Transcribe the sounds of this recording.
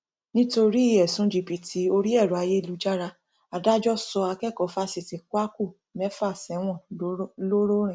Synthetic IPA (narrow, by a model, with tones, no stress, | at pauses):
nĩ˦to˧ɾi˦i˦˨ɛ˨sũ˨˦d͡ʒi˧˨pi˧tʰi˨˦o˧ɾi˦ɛ˦˨ɾɔ˨a˧je˦i˧lu˨˦d͡ʒa˦ɾa˧ | a˧da˦d͡ʒɔ˦sɔ˧a˧kɛ˦˨kɔ˨˦fa˦si˧˨ti˧kwa˦ku˦˨ | mɛ˦fa˦˨sɛ˨˦w̃ɔ̃˦˨˦lo˦ɾo˦ɾ̃ĩ˨